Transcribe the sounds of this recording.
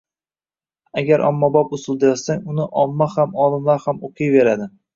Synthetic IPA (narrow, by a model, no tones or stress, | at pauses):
aɡʲaɾʔɒ̰mːabɒpʊsɪlˠd̪ɪjɒsaŋʊnɪʔɒmːahamɒlˠɪmlaɾhamoqʰɨjve̞ɾad̪ɪ